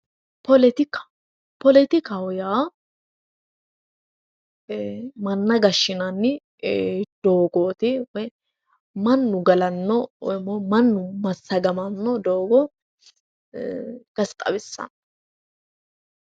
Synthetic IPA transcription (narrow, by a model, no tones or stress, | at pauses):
pɔlɛt̪ɪk | pɔlɛt̪ɪkɐwʊjaː | mɐnːɐɡɐʃːɪnɐnːɪ | d̪̥oːɡoːt̪ɪwɛ | mɐnːʊɡɐlɐnːɔmɔmɐnːʊmɐsːɐɡɐmɐnːɔd̪oːɡɔ | ɡ̥ɐst̪ʼɐ̰bɪsːɐ̰n